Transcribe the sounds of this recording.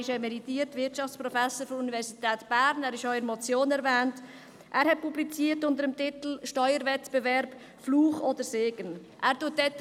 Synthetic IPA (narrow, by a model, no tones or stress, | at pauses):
ɪʃɛmɛɾitiːətvɪtt͡ʃɑft͡spɾɔfæsəɾfɔɾunivɛɾsitɛːtb̥æːɾnæːɾɪʃɔʏəɾmɔt͡sjoːnɛɾvɛːnt | ʔæːɾhɛt̚publit͡siːətʊndəɾəmtɪt̪l̩ʃtœʏəɾvɛtb̥evɛɾb̥ | fluːχod̪əɾseːɡ̥ənʔæːɾtuət̚dɛt